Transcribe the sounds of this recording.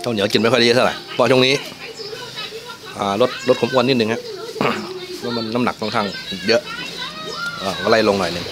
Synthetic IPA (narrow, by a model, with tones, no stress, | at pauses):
kʰa˧˩ni˨˦˩ki˨˩nma˥˩kːt̪ʰɾa̰˨˩jpʰɔː˧˩t͡ɕʰo˧ŋniː˦˥ | ʔaː˨˩lo˦˥t̪̚ɾo˦˥t̚kʰːmʰuː˧nːiː˥˩t̪̚nɯ˧ŋha˦˧˥ʔ | ma˧nːa˦˥mna˨˩k̚t̪ʰɔ˧˩ŋk̪ʰaː˧˥˩ŋjɤ˦˥ʔ | ʔəː˨˩ŋ˧la˧˥˩jlo˧ŋnɔ˨˩jnɯ˧ŋ